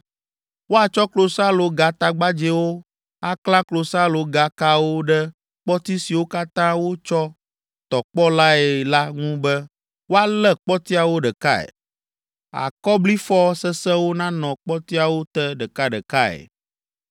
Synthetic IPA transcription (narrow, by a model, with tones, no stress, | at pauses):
wo˦a˨t͡ʃɔ˦klo˨sa˦lo˨ɡa˨t̪a˨ɡ͡ba˦d͡ʒɛ˦wo˦ | a˦kla˦klo˨sa˦lo˨ɡa˨ka˦wo˦ɖɛ˦ | k͡pɔ˦t̪i˦si˨wo˦ka˦t̪ã˦wo˦t͡ʃɔ˦ | t̪ɔ˨k͡pɔ˦la˦ɛ˨la˦ŋũ˦bɛ˦ | wo˦a˦lɛ˦k͡pɔ˦t̪i˦a˨wo˦ɖɛ˨ka˦ɛ̰˨ | a̰˨kɔ˦bli˦fɔ˦sɛ˦sɛ̃˦wo˦nã˦nɔ̃˨k͡pɔ˦t̪i˦a˨wo˦t̪ɛ˦ɖɛ˨ka˦ɖɛ˨ka˦ɛ̰˨